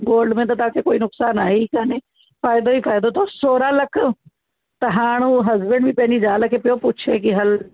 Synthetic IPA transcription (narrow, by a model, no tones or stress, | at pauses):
ɡoːlɖmẽt̪̬ɐt̪aːkʰekoːinʊksaːnaːɦikaːne | faːjɪd̪oifaːjd̪ot̪ʰosoːɾãlɐkʰ | t̪ɐɦaːɽ̃ũːɦɐzbəɳɖbĩpɐɦnid͡ʒaːlkʰepɪjopʊt͡ʃʰek̬iɦɐl